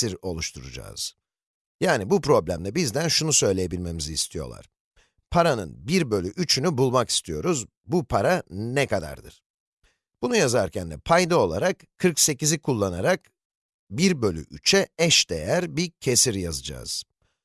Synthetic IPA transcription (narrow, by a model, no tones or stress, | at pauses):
iɾo̞lˠuʃt̪ʰuɾud͡ʒa̰ːz̥ | jaːnibupɾo̞blʲæmd̪ʲɛbizd̪ænʃunusø̞jlʲejebilʲme̞mizist̪ʰijo̞̰lˠa̰ɾ̥ | pʰaɾanɯ̰nbiɾbølʲyʔyt͡ʃʰynybulˠmaki̥st̪ʰijo̞ɾuz | bupʰaɾanɛkad̪a̰ɾd̪ɯ̰ɾ̥ | b̥unujazaɾcʰænd̪ɛpʰajd̪ao̞lˠa̰ɾakʰːɯɾkse̞cizikʰulˠːanaɾak | biɾbø̞lʲy̰ʔyt͡ʃʰɛɛʃd̪̥e̞̰jæɾbicʰesiɾjazɯd͡ʒa̰ːz̥